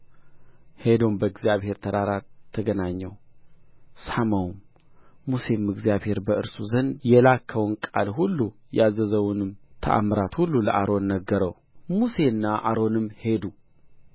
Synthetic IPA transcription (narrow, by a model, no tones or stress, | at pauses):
he̞d̪o̞nbəɨɡzijaβhe̞ɾt̪ʰəd̪aɾat̪ʰːəɡənaɲːəw | saməwmː | use̞mɨɡzjaβhe̞ɾbəʔɨɾsuzənd̪jɛlakʰːəwɨnkʼa̰lɦulːujazəzəwnɨmt̪ʰə̰ʔa̰mɾat̪hulːuləʔaɾo̞nːəɡːəɾəw | muse̞ɨnːaʔaɾo̞nɨmːhe̞d̪u